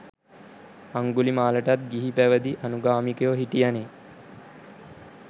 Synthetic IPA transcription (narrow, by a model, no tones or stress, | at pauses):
aŋɡulimaːləʈat̪̚ɡiɦipæʋəd̪iʔanuɡaːmikejoɦiʈijane